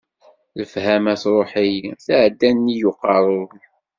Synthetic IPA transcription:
ləfhæmæθɾˤoħijθaʕd̪ːænːijʊqːɑrˤʊ

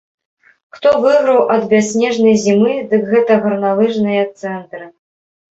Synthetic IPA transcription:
xt̪ɔvɨɣɾɐwʔɐd̪bʲasʲnʲɛʐnɐjzʲimɨd̪ɨkɣɛt̪ɐɣɐrnalˠɨʐnɐjɐt̪sɛnt̪ɾɨ

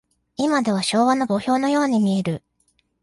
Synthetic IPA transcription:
imad̪e̞β̞aɕo̞ːβano̞bo̞ço̞ːno̞jo̞ːɲ̟imʲie̞ɾɯ̟

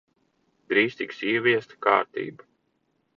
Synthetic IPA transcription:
d̪ɾiːst̪iksiɛʋʲiɛst̪ka̰ːɾt̪ḭːbu

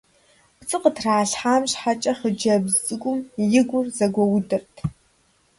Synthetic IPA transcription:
pt͡sʼɨqətʰraːɬħaːmɕħat͡ʃʼɐχəd͡ʒɐbzʼɨɡʷʼʊmjɪɡʷʊrzɐɡʷɔwdɨrtʰ

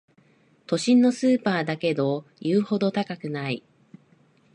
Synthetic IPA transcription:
t̪o̞ɕĩnːo̞sɨːpaːd̪ake̞d̪o̞jɯːho̞d̪o̞t̪akakɯ̟nai

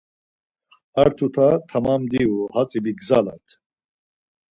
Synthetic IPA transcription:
aɾt̪ʰut̪ʰat̪ʰamamd̪iuhat͡sʼibiɡzala̰t̪ʰ

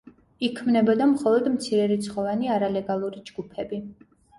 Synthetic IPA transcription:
ikʰmnɛbɔd̪amχɔlˠɔd̪mt̪sʰiɾɛɾit̪sʰχɔvaniaɾalɛɡalˠuɾid͡ʒɡ̥upʰɛbi

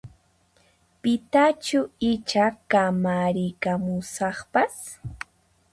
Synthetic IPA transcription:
pɪt̪at͡ʃʊɪt͡ʃakamaɾɪkamʊsɑχpas

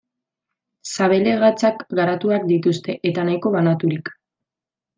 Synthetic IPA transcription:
saβ̞e̞le̞ɣat͡sakɡaɾat̪uak̚d̪it̪ust̪e̞ʔet̪anajko̞βanat̪uɾik

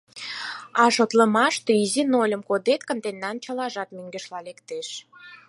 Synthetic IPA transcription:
ɑʃot̪ləmɑʃt̪oizinolʲəmkod̪et̪kə̆nt̪enːɑnt͡ɕəlɑʒɑt̪myŋɡə̆ʃlɑlekt̪eʃ

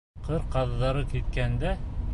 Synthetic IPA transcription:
qɤɾqɑððɑɾɤkit̪̚kænd̪æ

